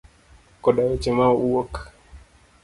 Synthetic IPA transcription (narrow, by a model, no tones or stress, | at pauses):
kɔɗaɔt͡ʃɛmaɔuwɔk